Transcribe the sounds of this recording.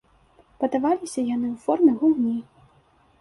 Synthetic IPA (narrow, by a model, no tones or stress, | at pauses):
pɐd̪avalʲisʲɐjanɨwfɔrmɨɣumnʲi